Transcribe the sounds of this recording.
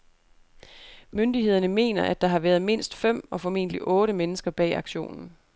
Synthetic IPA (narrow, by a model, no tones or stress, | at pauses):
møndiɦe̝ð̞̰ˠɐnəme̝̰ːnɐʔæd̥ɑ̈ɦɑ̈ʋæːɐð̞ˠme̝n̰sd̥fem̰ɒ̽fɒ̽me̝̰ːn̰əliʔɔ̽ːɾəmenəsɡ̥ɐb̥ɛ̰ːɑ̈ɡ̥ɕo̝̰ːnn̩